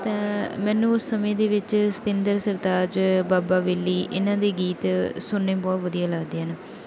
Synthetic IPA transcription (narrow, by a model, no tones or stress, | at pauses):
t̪ãːmɛːnũːʊsːəmẽːd̪eːʋɪt͡ʃsə̥t̪ɪ̃nd̪əɾsəɾd̪aːd͡ʒbaːbaːʋeːlːiːʔɪ̰nãːd̪eːɡiːt̪sʊɳːeːbɔːt̪ʋəd̪ijaːləɡd̪eːɦən